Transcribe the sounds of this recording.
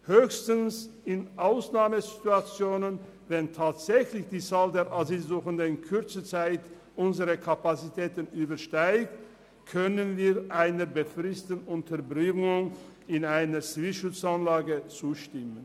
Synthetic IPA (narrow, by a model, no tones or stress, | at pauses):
høːçstənsɪnʔaʊsnaːməzituat͡sjoːnən | vɛntʰaːtz̥ɛçlɪçd̥iːt͡saːldeːɐʔazilzuːxəndəɪnkʰʏʁt͡sət͡saɪt | ʔʊnzəʁəkʰapat͡sitʰɛːtənyːbɐʃtaɪkt | kʰœnənviːʁʔaɪnəbəfʁɪstən̩ʊntʰɐbʁɪŋʊŋ | ɪnaɪnɐt͡sv̥iʃʊt͡sanlaːɡət͡suːʃtɪmən